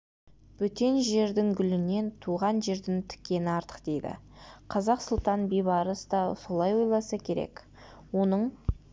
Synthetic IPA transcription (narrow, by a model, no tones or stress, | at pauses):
b̥ɵt̪e̞nʒe̞ɾd̪ɪŋɡʲʏlɪne̞nt̪ʰuʁɑnʒe̞ɾd̪ɪŋt̪ʰʏ̥kʲːe̞nɪɑɾt̪ə̥qd̪e̞jd̪ɪ̰ | qʰɑzɑqsʊlˠt̪ɑnbijβɑɾəsd̪ɑso̞lˠɑjwo̞jlˠɑsɑkʲʰe̞ɾḛk | wo̞nəɴ